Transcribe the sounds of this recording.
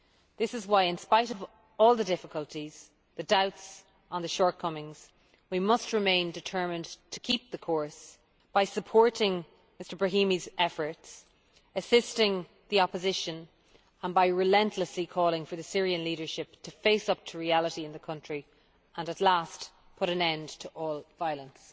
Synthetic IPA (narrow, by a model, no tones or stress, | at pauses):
ðɪsɪzwaɪɪ̃nspaɪɾʌv | ɔːlˠðədɪfəkəlˠtʰiz̥ | ðədaʊts | ə̃nðəʃɔɹt̚kʰʌmɪ̃ŋz̥ | wimʌst̚ɹɪmẽɪ̃ndɪtʰɜ˞mə̃ntʰə̥kʰip̚ðəkʰɔɹs | b̥aɪsəpʰɔɹɾɪ̃ŋ | mɪstə˞bɹəɦĩmizɛfə˞ts | əsɪstɪ̃ŋ | ðiɑpəzɪʃə̃n | ə̃nbaɪɹɪlɛ̃ntʰləslikʰɔːlˠɪ̃ŋfə˞ðəsɪɹiə̃nliɾə˞ʃɪp̚tʰəfeɪsʌp̚tʰəɹialəɾiɪ̃nðəkʰʌ̃nt͡ʃɹ̥i | ə̃nətˡlast | pʰʊɾə̃nɛ̃ndtʰəʔɔːlˠvaɪələ̃ns